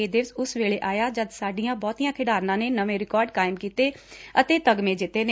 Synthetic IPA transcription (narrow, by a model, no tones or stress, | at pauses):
eːd̪eːʋsʊsʋeːɭeːʔaːjaːd͡ʒəd̪saːɖijãːbɔːt̪iːjãːkʰɪɖaːɾnãːneːnəʋẽːɾɪkɔːɾɖkaːɪmkiːt̪eː | ət̪eːt̪əɡmẽːd͡ʒɪt̪ːeːnː